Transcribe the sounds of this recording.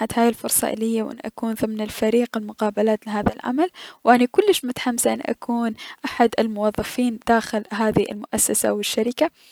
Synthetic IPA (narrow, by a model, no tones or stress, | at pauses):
ad̪haːjɪlfʊɾsˤɑ̰ʔɪ̰lɪjːawʔɪ̰nːʔa̰kuːnðˤɨmnɪlfaɾiːqɪlmʊqɑːbalaːt̪lɪɦaːðalʕa̰malwʔanikʊlːɪʃmʊt̪ḁħamsaʔɪnːʔa̰kʰuːnʔaħad̪ɪlmʊwɑðˤːɑfiːnd̪̥aːxɪlɦaːðiʔɪ̰lmʊʔasːasa̰wɪʃːaɾɪka